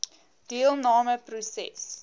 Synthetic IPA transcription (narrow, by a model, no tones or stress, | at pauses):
d̥iəlˠnɑːməprusɛ̰s